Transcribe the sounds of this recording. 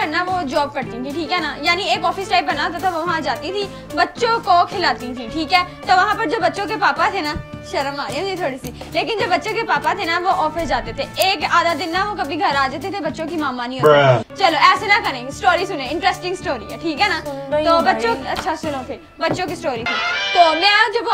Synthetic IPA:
əɾnaʋoːd͡ʒɔːb̚kəɾt̪ĩt̪ʰĩʈʰiːkɦɛːnajaːnieːkɔːfɪsʈaːɪp̚bənaːt̪̬at̪ʰaʋoʋɐɦãd͡ʒaːt̪it̪ʰi | bətːʃõkokʰɪlaːt̪ĩt̪ʰĩʈʰiːkɛːt̪oːʋɐɦãːpəɾd͡ʒoːbətːʃõk̬epaːpat̪ʰenaʃɐɾəmaːɾeõd͡ʒit̪ʰoːɽisileːk̬ɪnd͡ʒoːbətːʃõkepaːpat̪ʰenaʋoːʔɔːfɪsd͡ʒaːt̪et̪ʰeeːkaːd̪ad̪ɪnːaʋokɐbʱiɡʱɐɾaːd͡ʒat̪̬et̪ʰebɐtːʃõkimaːmanĩɦoːit͡ʃɐloɛːsenakɐɾẽːsʈoːɾiːsʊnẽːɪ̃ɳʈɾɛːsʈɪ̃ŋɡsʈoːɾiɛːʈʰiːkɦɛːnat̪oːbɐtːʃõɐtːʃʰasʊnõt̪ʰeː | bətːʃõkisʈoːɾiːt̪ʰiːt̪oːmɛ̃ːd͡ʒob

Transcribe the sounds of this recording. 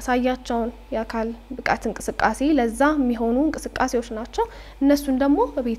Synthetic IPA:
asajːat͡ʃːɛwnjɛakʰalbɨkʼat̪ɨŋkʼɨsɨkʼːase̞ləzːamːiɦo̞nuɨŋkʼɨsɨkʼːase̞wot͡ʃːnat͡ʃːɛw | ʔɨnːəsːund̪əɡmo̞bəβet̪

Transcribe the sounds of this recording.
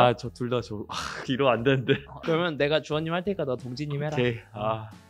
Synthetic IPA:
at͡ɕʌtuɭdad͡ʑoaiɾoandenndekɯɾʌmjʌnːe̞ɡat͡ɕuʌnːimhaɭtʰe̞ik͈adotoŋd͡ʑiɲimɦeɾaea

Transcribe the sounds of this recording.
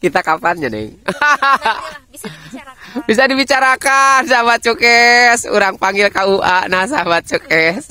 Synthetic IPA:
kit̪akapanɲanɛ̰ŋa | bis̬adibit͡ʃaɾakansaɦabat̪̚t͡ʃukɛsṵɾaŋpaŋɡilkauʔanahsaabat̪̚t͡ʃukɛs

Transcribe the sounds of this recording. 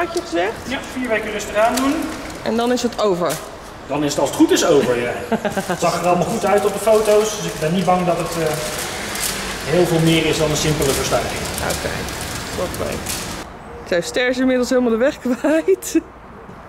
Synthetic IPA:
ɑt͡ʃəχəzɛχtfiːɹʋejkərɪstəraːndun | ʔɛ̰ndɑnɪsətʰowvəɹ | dɑnɪsətɑlˠsətχutɪsowvəɹjazɑχərɑlˠəmɑlˠχutœɥtɔp̚dəfowtowsdøsɪɡ̚bɛnːit̚bɑŋdɑtətː | ɦɪːlˠvɪːlˠmɪːrɪsdɑnənsɪmpələvəɹstœ̰rχɪ̰ŋo̰wkḛjslɔχʋɛ̰j | ksawstɛɹsɪmɪdəl̩ˠsɦɪːlˠmɑlˠdəʋɛχkʋajt

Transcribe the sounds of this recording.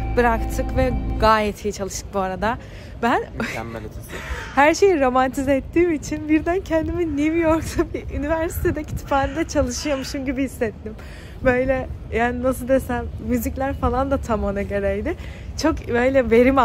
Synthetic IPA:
bɯɾakt̪ʰɯkvɛɡaːjɛt̪ʰijt͡ʃʰalˠɯʃt̪ɯk̚buaɾad̪a | bæn̰ | hæɾʃe̞jiɾo̞mant̪ʰizɛɛt̪ʰːiːmit͡ʃʰinbiɾd̪æncʰɛnd̪iminːivijo̞ɾksabiʔynivæɾsi̥t̪ʰed̪ɛcʰi̥t̪ʰi̥faːɾid̪ɛt͡ʃʰalˠɯʃɯjamɯʃɯmɟibihisːɛt̪ːim | bø̞jlʲɛjaːninasɯd̪esæmːyziclʲæɾfalˠand̪at̪ʰamonaɟø̞ɾɛjd̪ɪt͡ʃʰo̞kbø̞jlʲɛve̞ɾima

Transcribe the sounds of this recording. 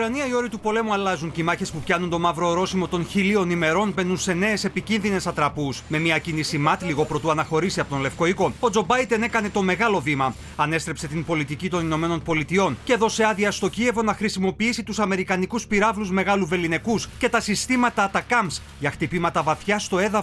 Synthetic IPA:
ukɾɐniɐio̞ɾit̪upo̞le̞muɐlɐzuncimɐçe̞spupçɐnunt̪o̞mɐvɾo̞ɾo̞simo̞t̪o̞nçilio̞nime̞ɾo̞nbe̞nunse̞ne̞ːse̞picinðine̞sɐt̪ɾɐpusme̞miɐcinisimɐt̪liɣo̞pɾo̞t̪uɐnɐxo̞ɾisiɐpo̞t̪o̞nle̞fko̞iko̞o̞d͡zo̞bɐjd̪e̞ne̞kɐne̞t̪o̞meɣɐlo̞vimɐ | ɐne̞st̪ɾe̞pse̞t̪impo̞lit̪icit̪o̞nino̞me̞no̞npo̞lit̪io̞nce̞ðo̞se̞ɐðiɐst̪o̞cie̞vo̞nɐxɾisimo̞piisit̪usɐme̞ɾikɐnikuspiɾɐvluzme̞ɣɐluve̞line̞kusce̞t̪ɐsist̪imɐt̪ɐt̪ɐkɐms | ʝɐxt̪ipimɐt̪ɐvɐθçɐst̪o̞e̞ðɐ

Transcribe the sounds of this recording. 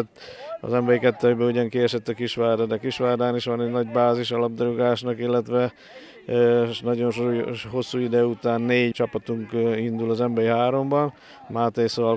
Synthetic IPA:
t̪ːɒ̰zɛmbɛɾikɛt̪ːɛjbɛuɟɒŋkiɛʃɛt̪ːɒkiʃʋaːrd̪ɔd̪ɛkiʃʋaːrd̪aːniʃʋɒnɛnɒɟbaːziʃɒlɒb̚d̪oɾoɡaːʃnɒkilːɛt̪ʋɛ | nɒɟo̞nʃouɦo̞sːuːid̪ɛut̪aːnːeːɟt͡ʃɒpɒt̪uŋkind̪ulɒzɛmbɛɾiɦaːɾo̞mbɒn | maːt̪ejsoːvɒ

